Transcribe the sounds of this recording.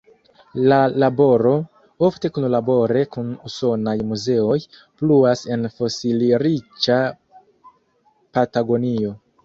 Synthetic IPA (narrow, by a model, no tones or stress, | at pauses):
lalabo̞ɾo̞ | o̞fte̞kunlabo̞ɾe̞kunuso̞najmuze̞o̞j | pluase̞nfo̞siliɾit͡ʃa | pataɡo̞nio̞